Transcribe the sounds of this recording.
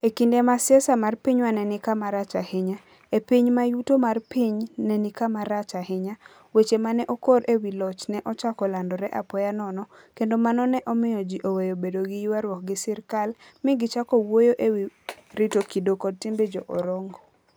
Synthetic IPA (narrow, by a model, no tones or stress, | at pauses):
ekindɛmasɪɛsamarpiɲwanɛnɪkamaɾat͡ʃahɪɲa | epiɲmajutomarpiɲnɛnɪkamaɾat͡ʃahɪɲa | wet͡ʃemanɛʔɔkoɾʔewilɔt͡ʃnɛʔɔt͡ʃakɔlandɔɾɛʔapɔjanɔnɔ | kendomanɔnɛʔɔmɪjɔd͡ʒiʔowejobedoɡɪjiwaɾwɔk̚ɡɪsɪrkalmɪɡɪt͡ʃakɔwojoʔewiɾitokidokɔd̚tembed͡ʒoʔɔɾɔŋɡɔ